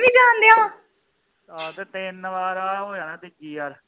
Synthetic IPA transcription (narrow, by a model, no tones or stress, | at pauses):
ʋiːd͡ʒãːnd̪eːãː | at̪eːt̪ɪnʋaːɾaːɦoːjaːnãːt̪ɪkiːaɾ